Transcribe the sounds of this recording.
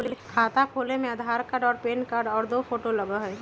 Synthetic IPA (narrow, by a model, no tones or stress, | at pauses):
lkʰaːt̪akʰoːlemẽəd̪ʱaːɾkaːɖɔːɾpeːnkaːɾɖɔːɾd̪oːpʰoːʈolɐɡaɦɛ